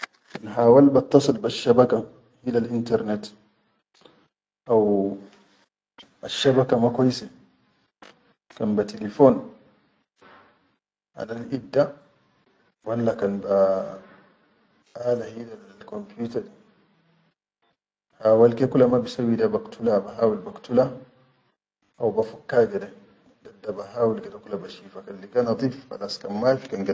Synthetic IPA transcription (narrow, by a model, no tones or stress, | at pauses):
kanɦaːwalbat̪ːɑsˤɨlbaʃːabaka | hilalʔintaɾnɛt | ʔaw | ʔaʃːabakamakɔjsɛ | kanbatilifɔːn | ʔa̰lalʔibdːa | walːakanba | ʔaːlahidalkompjutaɾɗi | hawalkekulamabisawidabaktʰulabaɦaːwilbaktula | ʔawbafakːaɡadɛ | dadːabaɦaːwilɡadakulabaʃiːfakanliɡanɑd̪ˤifa̰laskamːafi̥kanɡa